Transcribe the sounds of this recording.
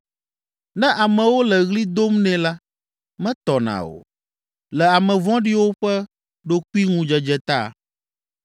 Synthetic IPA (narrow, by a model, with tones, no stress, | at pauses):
nɛ̃˦ʔa˨mɛ̃˨wo˦lɛ˨ɣli˦d̪o˦mnɛ̃˨la˦ | mɛ̃˦t̪ɔ˨nã̰˨o̰˨ | lɛ˨a˨mɛ̃˨vɔ̃˦ɖi˦wo˦ɸɛ˦ | ɖo˦ku˦i˦ŋũ˦d͡ʒɛ˨d͡ʒɛ˨t̪a̰˦˨